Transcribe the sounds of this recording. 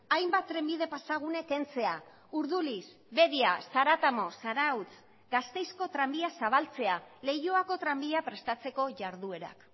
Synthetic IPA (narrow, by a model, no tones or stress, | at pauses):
ajmbat̪ːɾe̞mbiðe̞pasaɣ̞une̞ke̞nt͡se̞a | uɾðulis | βe̞ðiasaɾat̪amo̞saɾawt͡s | ɡast̪e̞jsko̞t̪ɾambiasaβ̞alt͡se̞ale̞joako̞t̪ɾambiapɾe̞st̪at͡se̞ko̞ʝaɾðue̞ɾa̰k